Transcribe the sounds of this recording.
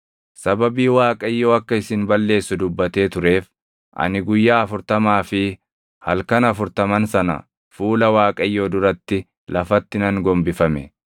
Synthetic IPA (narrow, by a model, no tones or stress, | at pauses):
sɐbɐbiːwaːkʼɐjːoːɐkːɐɪsɪnbɐlːe̞ːsːʊd̪ʊbːɐt̪e̞ːt̪ʊɾe̞ːf | ʔɐ̰nɪɡʊjːaːɐfʊɾt̪ɐmaːfɪ | hɐlkɐnɐfʊɾt̪ɐmɐnsɐnɐ̰ | fuːlɐwaːkʼɐjːoːd̪ʊɾɐt̪ːɪ | lʔɐfɐt̪ːɪnɐŋɡɔmbɪfɐmɛ